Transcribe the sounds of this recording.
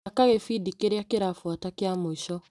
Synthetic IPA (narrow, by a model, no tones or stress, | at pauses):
akaɣefidikeɾakeɾafuatakeamoiʃɔ